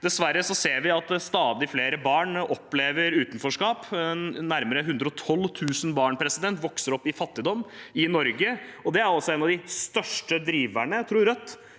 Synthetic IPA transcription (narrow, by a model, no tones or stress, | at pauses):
d̪̥ɛsʋæɾːəsɔseːɾʋɪɑt̪st̪ɑːd̪ɪfleːɾəbɑːɳɔpːleːʋəɾʉːt̪n̩fɔʂkɑːp̪næɾməɾəɦʉnd̪ɾəɔt̪ʰɔlːt̪ʰʉːsənbɑːɳpʰɾɛsɪd̪ɛnt̪ʋɔksəɾɔpːɪfɑt̪ːɪd̪ɔmːɪnɔɾɡəɔd̪ɛæɾɑlsɔeːnɑʋd̪ɪst̪œʂʈəd̪ɾiːʋæɳət̪ʰɾuːɾœt̪ː